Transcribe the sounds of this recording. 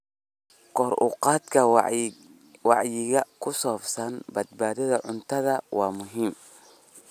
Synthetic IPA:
kʰɔːɾuqɑːd̪kʰɐ | wɑʕjɪɣɐkʰʊsɔːbsɐnbɐd̪̚baːðɐðɐʕʊnt̪ʰɐðɐwɑːmʊɦiːm

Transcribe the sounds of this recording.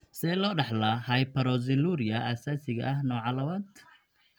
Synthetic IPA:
sɛlɔːɖɑħlɐhɐjpʰɐɾɔzɪluɾɪjɐʔasaːsɪɣɐ̰ʔɐɦnɔːʕɑlɐwaːnt̪ʰ

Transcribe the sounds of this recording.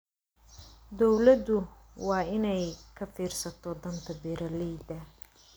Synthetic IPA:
d̪ɔwlɐd̪ʊ | wɑːɪnɛjkʰɐfiːrsɐt̪ʰɔd̪ɐnt̪ʰɐbɛɾɐliːd̪ɐ

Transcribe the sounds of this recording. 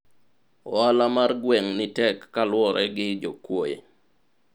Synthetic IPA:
ɔalamarɡwɛŋnɪtɛkːalwɔɾɛɡɪd͡ʒo̰kwojḛ

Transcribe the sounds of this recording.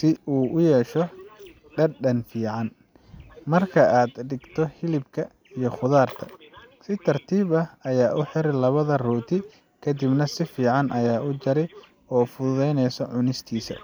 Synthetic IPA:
sɪuːʔʊjɛːʃɔ | ɖɐɖɐnfiːʕɑn | mɐrkʰɐʔaːd̪ɖɪɡt̪ʰɔhɪlɪbkʰɐ | ijɞχʊðaːrt̪ʰɐ̥sɪt̪ʰɐrt̪ʰiːβɐɐjaːʔʊħɪɾɛlɐβɐðɐruːt̪ʰɪ | kʰɐd̪ɪbnɐsɪfiːʕɑnʔɐjaːʔʊt͡ʃɐɾɛj | ɔːfʊðʊðɛjnɛjsɔʕʊnɪst̪ʰiːsɐ̰

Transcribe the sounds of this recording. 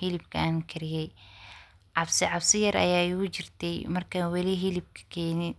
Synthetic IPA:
hilɪbkʰɐaːŋkʰɐɾɪjɛj | ʕɑbsɪʕɑbsɪjɐɾɐ̰jaːjʊt͡ʃɪrt̪ʰɛjmɐrkʰanwɑliɦilɪb̚kʰɐ̥kʰɛːnɪn

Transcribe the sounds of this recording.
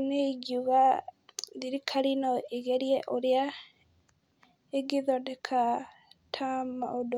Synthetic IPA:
neɡuɣa | ðiɾikʰaɾinɔeɣɛɾjɛʔoɾja | eɡiðɔdɛkʰa | tʰama̰odo

